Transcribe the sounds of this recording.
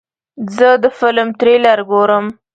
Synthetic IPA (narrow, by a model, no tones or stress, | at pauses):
zəd̪əfɪlmt̪ɾelaɾɡoɾəm